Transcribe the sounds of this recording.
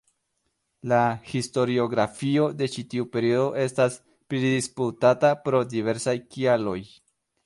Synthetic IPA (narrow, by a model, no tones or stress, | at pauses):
lahisto̞ɾio̞ɡɾafio̞de̞t͡ʃitiupe̞ɾiodo̞ʔe̞stas | pɾidisputatapɾo̞dive̞ɾsajkialo̞j